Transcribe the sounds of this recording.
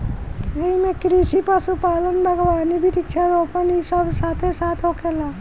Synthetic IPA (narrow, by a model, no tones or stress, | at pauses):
eimẽkɾisipasupaːlənbʱəɡʋaːnibʱiɾikt͡ʃʰaɾoːpənisəbsaːt̪ʰesaːt̪ʰokelaː